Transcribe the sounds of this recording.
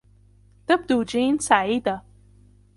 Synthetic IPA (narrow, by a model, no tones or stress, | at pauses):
t̪ɐb̚d̪uːd͡ʒiːnsaʕiːd̪a